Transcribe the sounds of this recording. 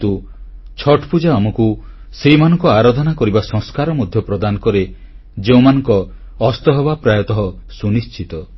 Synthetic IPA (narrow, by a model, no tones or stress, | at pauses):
t̪u | t͡ʃʰɔʈʰpud͡ʒaɔmɔku | seɦimanɔ̃ŋkɔaɾad̪ʱɔnakɔɾibasɔ̃ŋskaɾɔmɔd̪ʱjɔpɾɔd̪anɔkɔɾe | d͡ʒeũmanɔŋkɔː | st̪ɔɦɔbapɾajɔt̪ɔɦɔsunist͡ʃit̪ɔ